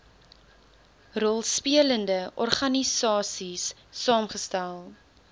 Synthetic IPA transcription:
rɔlˠspiələndəʔɔrχɐnisɑːsisː | ɑːmχəstælˠ

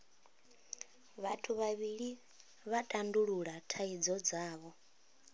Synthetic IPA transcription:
βatʰuβaβiɺi | βatʼanduɺuɺatʰaid͡zɔd͡zaːβɔ

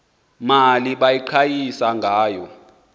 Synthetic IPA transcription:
maliɓajiǃʰajisaŋɡʱaːjɔ

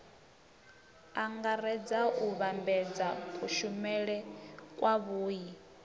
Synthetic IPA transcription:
aŋɡaɾɛd͡zauβambɛd͡zakʰʼuʃumɛɺɛkʼwaβuːji

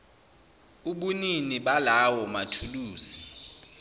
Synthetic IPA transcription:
uɓuniniɓalawɔmatʰuluːzi

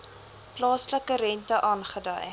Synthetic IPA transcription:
plɑːsləkəɾɛntəʔɑːnχədə̰j

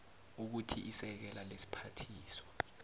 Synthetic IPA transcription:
uk̬utʰḭʔisɛk̬ɛlalesi̥pʰatʰiːsɔ̥

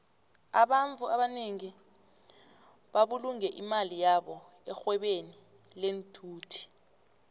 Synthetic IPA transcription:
aɓaɱt͡fuaɓaneŋi | ɓaɓuluŋɛʔimalijaɓɔ | ɛxwɛɓeni | lentʰuːtʰi̥

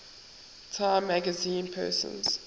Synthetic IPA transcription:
tʰãɪ̃mːæɡəzĩːnpʰɜ̰ːˑsə̰̃nz̥

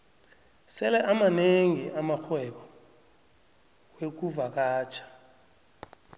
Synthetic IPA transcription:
sɛlɛʔamaneŋiʔamaxwɛɓɔ | wek̬uvak̬aːt͡ʃʰʼḁ

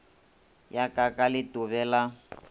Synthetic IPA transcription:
jakʼakʼalɪtʊβɛːla

